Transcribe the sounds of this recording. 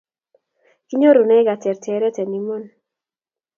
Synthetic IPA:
ki˦ɲo˦ɾu˨nɛ˦ɡa˨tɛ˨ɾtɛ˨˦ɾɛ˦tɛ˨ni˦mo˦n

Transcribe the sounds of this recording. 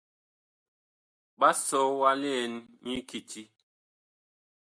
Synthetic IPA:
ɓa˦sɔ˨˦wa˦le˦ɛ˨nɲi˦ki˨tʰi˦

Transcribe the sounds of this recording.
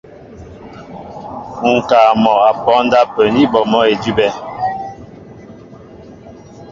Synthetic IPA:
ŋ̩˨kaː˨mɔ˨a˨pɔ˨˦n˦da˦pə˨ni˦bɔ˨mɔ˦e˨di˦bɛ˦

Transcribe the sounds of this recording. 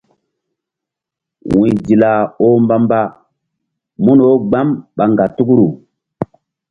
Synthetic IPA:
wwĩ˨di˨la˨o˦mba˦mba˦ | mu˦no˦ɡ͡ba˦mɓa˨ŋɡa˨tu˦ku˦ɾu˨

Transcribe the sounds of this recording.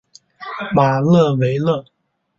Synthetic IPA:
ma˨˩lɤ˥˧we˧˥ɪlɤ˥˩

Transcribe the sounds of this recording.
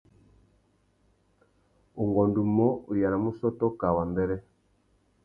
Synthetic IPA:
u˨ŋɡɔ˨ndu˨mɔ˦u˨ja˨na˨mu˦sɔ˦tɔ˦ka˨wa˨ndɛ˦ɾɛ˦

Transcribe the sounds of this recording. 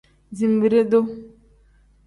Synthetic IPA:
zi˨m˨bi˨ɾe˦do˦

